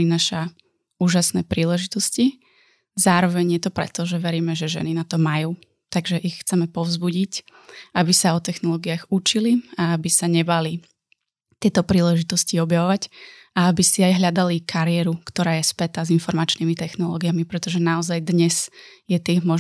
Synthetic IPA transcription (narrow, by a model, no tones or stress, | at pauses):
inaːʃa | uːʒasnɛːpɾiːlɛʒit̪ɔsci | zaːɾɔʋɛɲjɛt̪ɔpɾɛ̰t̪ɔʒɛʋɛɾiːmɛʒɛʒɛ̰ninat̪ɔmajuː | t̪aɡʒɛʔixxt͡sɛmɛpɔʊzbuɟicabisaɔt̪ɛxnɔlɔːɡiaɣut͡ʃiliaabisaɲɛbali | t̪ɪɛt̪ɔpɾiːlɛʒit̪ɔsciɔbjaʋɔʋacʔaabisiajɦʎad̪alikʰaɾɪɛːɾukt̪ɔɾaːjɛspɛt̪azinfɔɾmat͡ʃnimit̪ɛxnɔlɔ̰ːɡijamipɾɛt̪ɔʒɛnaɔzajd̪ɲɛz̥jɛt̪imɔʒ